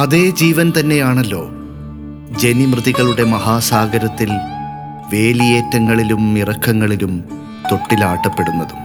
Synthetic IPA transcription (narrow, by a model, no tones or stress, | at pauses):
ɐðeːd͡ʑiːʋɐnt̪ɐnːe̞jaːɳɐlːo̞ː | d͡ʑe̞nimrɨðiɣɐɭuɽe̞mɐɦaːsaːɡɐɾɐt̪ːil | ʋe̞ːlije̞ːtːɐŋːɐɭilumːirɐkːɐŋːɐɭilum | t̪o̞ʈːilaːʈːɐpːe̞ɽunːɐðu